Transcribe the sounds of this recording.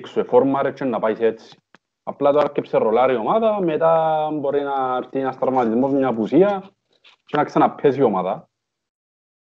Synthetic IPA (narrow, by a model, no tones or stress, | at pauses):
ksuefoɾmaɾet͡ʃːenːapajset̪t͡sːi̥ | ɐ̰plat̪oaskːepserolaɾiomaðɐmet̪ambo̞ɾinaːɾt̪inɐst̪ɾavmat̪izmo̞zmɲapusiɐ | t͡ʃenaksanɐpʰːes̬iomaðɐ